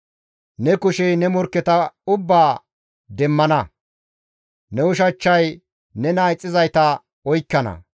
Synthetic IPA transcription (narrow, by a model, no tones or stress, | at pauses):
nɛkʊʃɛjnɛmɔɾkːɛt̪ɐʊbːaː | d̪ɛmːɐnɐ | nɛʊʃɐt͡ʃːɐj | nɛnaːɪt͡sʼːɪzɐjt̪ɐ | ɔjkːɐnɐ̰